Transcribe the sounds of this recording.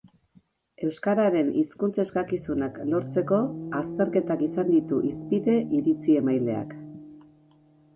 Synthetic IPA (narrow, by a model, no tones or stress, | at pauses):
e̞wskaɾaɾe̞niskunt͡se̞skakisunaklo̞ɾt͡se̞ko̞ast̪e̞ɾke̞t̪akisand̪it̪uʔispiðe̞ʔiɾit͡sie̞majle̞a̰k